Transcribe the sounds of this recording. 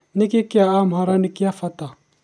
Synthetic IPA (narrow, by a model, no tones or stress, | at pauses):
nikikijaamaɾanikiafata